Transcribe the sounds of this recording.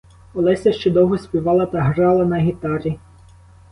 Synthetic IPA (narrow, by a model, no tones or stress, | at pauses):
ɔlˠɛsʲɐʃt͡ʃɛd̪ɔwɦɔsʲpʲiʋɑlˠɐt̪ɐɦɾɑlˠɐnɐɦʲit̪ɑɾʲi